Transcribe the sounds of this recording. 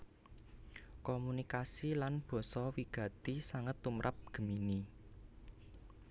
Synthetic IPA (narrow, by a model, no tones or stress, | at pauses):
kɔmunikasilanb̥ɔ̤sɔwiɡ̥ä̤t̪isaŋət̪ːumɾʔap̚ɡ̥ə̤mini